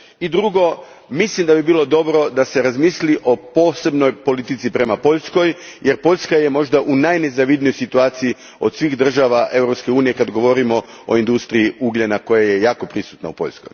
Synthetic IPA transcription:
id̪ɾuɡo̞ | mislimd̪abibiːlˠo̞d̪o̞bɾo̞d̪ase̞ɾazmisliʔo̞po̞ːse̞bno̞jpo̞lit̪it̪sipɾe̞mapo̞ʎʲsko̞jjʔeɾpo̞ʎʲskaje̞mo̞ʒd̪aʔunajne̞zaʋid̪nijo̞jsit̪uaːt̪sii | o̞d̪sʋiːxd̪r̩ʒaʋaʔe̞wɾo̞pske̞uːnije̞kad̪ɡo̞ʋo̞ɾimo̞ | o̰ind̪ust̪ɾiiuɡʎenako̞jaje̞jaːko̞pɾisu̥t̪na̰upo̞̰ʎʲsko̞̰j

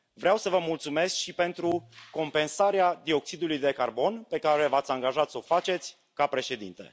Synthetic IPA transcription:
vɾeawsəvəmult̪sume̞skʃipe̞nt̪ɾuko̞mpe̞nsaɾead̪io̞ksid̪ulujd̪e̞karbo̞npe̞kaɾe̞vat̪sʲaŋɡaʒat̪səofat͡ʃe̞t̪sʲ | kapɾe̞ʃe̞d̪ḭnt̪e̞̰

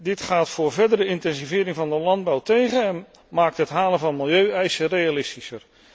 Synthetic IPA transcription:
dɪtχaːtfʊːɹvɛɹdəɾəɪntɛnzivɪːɾɪŋvɑndəlɑnd̚bɑwtejχənɛn | maːk̚tɦətɦaːlənvɑnmɪlˠjøɥɛjsərejalɪstisər

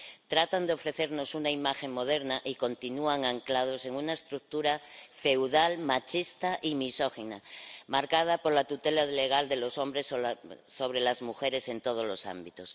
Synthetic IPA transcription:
t̪ɾat̪and̪eo̞fɾe̞θe̞ɾno̞sunaimaxe̞ŋmo̞ðe̞ɾnaʔiko̞nt̪inuaŋaŋklað̞o̞se̞ŋunaest̪ɾuk̚t̪uɾafe̞wðalmat͡ʃist̪aʔimiso̞xinamaɾkað̞apo̞ɾlat̪ut̪e̞laðle̞ɣ̞ald̪e̞lo̞so̞mbɾe̞sso̞β̞ɾe̞lazmuxe̞ɾe̞se̞nt̪oð̞o̞zlo̞sa̰mbit̪os

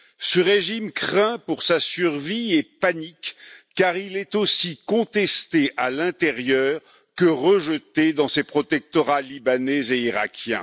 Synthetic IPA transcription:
səʁeʒimkχɛ̃puʁsasyʁviɛpanikː | aʁilɛt̪osikɔ̃t̪ɛst̪eʔalɛ̃t̪eʁjœːʁ | kəʁəʒət̪ed̪ɑ̃sepχɔt̪ɛk̚t̪ɔʁalibanɛzeiʁa̰kʲjɛ̰̃

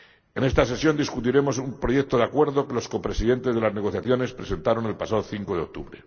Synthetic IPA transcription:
ene̞st̪ase̞sjo̞nd̪iskut̪iɾe̞mo̞sumpɾo̞ʝek̚t̪o̞ðeakwe̞ɾðo̞ke̞lo̞sko̞pɾe̞siðe̞nt̪ezðelazne̞ɣ̞o̞θjaθjo̞ne̞spɾe̞se̞nt̪aɾo̞ne̞lpasaðoθiŋko̞ð̞e̞o̞k̚t̪uβɾe

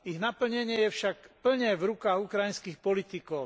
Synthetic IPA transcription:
iɣnapl̩ɲɛɲɪɛjɛfʃakpl̩ɲɛvɾukaːɣukɾajinskixpɔlit̪ikɔʊ

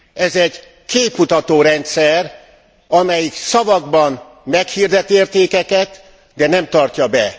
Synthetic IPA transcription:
ɛzɛɟ | keːpːut̪ɒt̪oːɾɛnt̪sɛr | ɒmɛjiksɒvɒɡbɒm | mɛkhiːrd̪ɛt̪eːrt̪eːkɛkɛt̪ | d̪ɛnɛmt̪ɒrcɒbɛ

